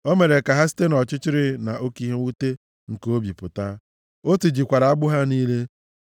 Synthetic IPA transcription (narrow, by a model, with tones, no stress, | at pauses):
o˦me˨ɾe˨ka˨ɦa˦s̬i̥˦te˦nɔ˨t͡ʃɪ˦t͡ʃɪ˦ɾɪ˦na˨ʔo˦ki˦ɦe˦u˦te˦ | ŋ̩˨ko˦bi˨pʊ˨ta˦ | o˦ti˨d͡ʒi˨kʷa˨ɾa˨a˦ɡ͡bʊ˦ɦa˦niː˦le˦